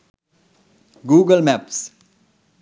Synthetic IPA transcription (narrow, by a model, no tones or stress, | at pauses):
ɡuːɡəlmæps